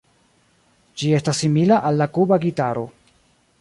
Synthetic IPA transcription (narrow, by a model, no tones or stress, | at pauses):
d͡ʒie̞stasːimilaʔalːakubaɡitaɾo̞̰